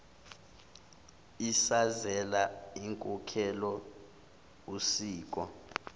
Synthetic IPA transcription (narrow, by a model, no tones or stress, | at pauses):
isazɛlaiŋkʼukʰɛlɔ | usiːk̬ʼɔ